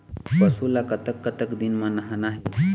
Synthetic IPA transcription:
pəsulakət̪əkːət̪əkd̪inmãnɐɦanaɦe

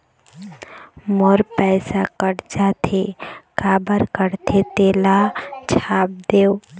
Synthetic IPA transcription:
moɾpɛɪsakəɾd͡ʒaːt̪ʰekaːbəɾkəɾt̪ʰet̪eːlat͡ʃʰaːp̚d̪eːo

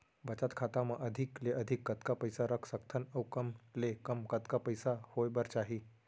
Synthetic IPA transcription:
bət͡ɕat̪kʰat̪aməʔəd̪ʱikleʔəd̪ʱikːət̪kapəjsaɾəkʰsək̚t̪ʰənəwkəmlekəmkət̪kapəjsahojbəɾt͡ɕaɦiː

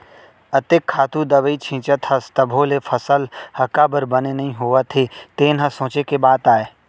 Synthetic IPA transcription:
ɐt̪ɪkʰːaːt̪ũd̪ɐbəit͡ʃʰĩːt͡ʃət̪hɐst̪əbʱolefʰəsəlhɐkabəɾbənenɐɦĩɦoat̪ʰet̪eːnɦɐsõːt͡ʃekebaːt̪aːeː

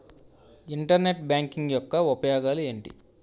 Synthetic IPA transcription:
iɳʈɐɾne̞ʈ̚bjaːŋkiŋɡjɔkːɐupɐjɔːɡaːlue̞ːɳʈḭ

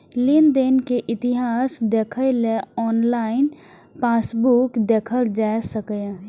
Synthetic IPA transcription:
lɪnd̪enkeʔɪt̪ɪɦaːsd̪eːkʰəleɔːnlaːɪn | paːsbukd̪eːkʰəld͡ʒaːsəkə

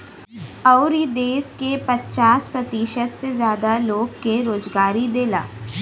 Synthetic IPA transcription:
ɔʊɾid̪eːskepɐtːt͡ʃaːspɾɐt̪iːʃət̪sezjaːd̪aloːɡːeɾoːzɡaːɾid̪eːla̰ː

